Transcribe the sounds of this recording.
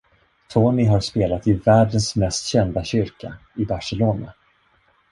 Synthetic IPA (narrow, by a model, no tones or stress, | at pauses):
t̪ʰoːnɪɦaɾspeːlat̪ɪvæːɖənsmɛst̪ɕɛnd̪aɕʏɾka̰ɪbaʂɛloːna̰